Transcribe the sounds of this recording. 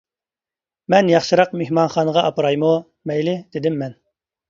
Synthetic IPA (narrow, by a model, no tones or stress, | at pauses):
mɛnjɑχʃɨɾɑqmehmɑnχɑnəʁɑʔɑpɨɾɑjmu | mɛjlɪd̪̥ɪd̪ɪmːɛn